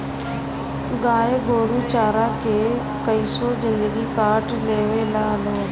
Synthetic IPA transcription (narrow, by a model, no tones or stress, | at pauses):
ɡaːeɡoːɽuːt͡ʃaːɾaːkeː | kəiːsoːzɪnd̪əɡiːkaːɾʈleːʋeːlaːloː